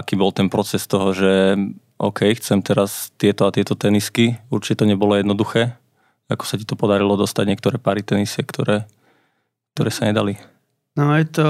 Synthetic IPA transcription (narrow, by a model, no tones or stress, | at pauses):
akiːbɔlˠt̪ɛnpɾɔt͡sɛst̪ɔɦɔʒɛʔɔ̰ʊkʰɛjxt͡sɛmt̪ɛɾast̪ɪɛt̪ɔat̪ɪɛt̪ɔt̪ɛniskiuɾt͡ʃi̥cɛt̪ɔɲɛbɔlɔjɛd̪nɔd̪uxɛː | akɔ̥sacit̪ɔpɔd̪aɾilɔd̪ɔst̪aɟɲɪɛkt̪ɔɾɛːpaːɾit̪ɛnisɪɛkt̪ɔɾɛː | k̚t̪ɔɾɛːsaɲɛd̪ali | nɔjɛt̪ɔ